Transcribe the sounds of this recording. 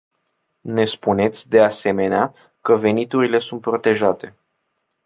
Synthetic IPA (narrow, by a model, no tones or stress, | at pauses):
ne̞spune̞t̪sʲd̪e̞ase̞me̞nea | kəve̞nit̪uɾile̞sunt̪̚pɾo̞t̪e̞ʒat̪e̞